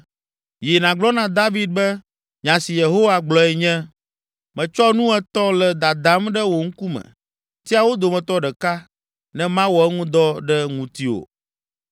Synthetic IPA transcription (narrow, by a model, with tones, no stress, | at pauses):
ji˨nã˨ɡ͡blɔ˦nã˨d̪a˦vi˦d̪̚bɛ˦ | ɲã˨si˨je˨ɦo˦wa˨ɡ͡blɔ˨ɛ˨ɲɛ̃˦ | mɛ̃˨t͡ʃɔ˦nũ˦ɛ˦t̪ɔ˦lɛ˨d̪a˨d̪ã˨˦mɖɛ˦wo˨ŋ̩˦ku˦mɛ̰̃˨ | t̪i˦a˨wo˦d̪o˨mɛ̃˨t̪ɔ˦ɖɛ˨ka˦ | nɛ̃˦mã˦wɔ˨ɛ˦ŋũ˦d̪ɔ˦ɖɛ˦ŋũ˨t̪i˦wo̰˨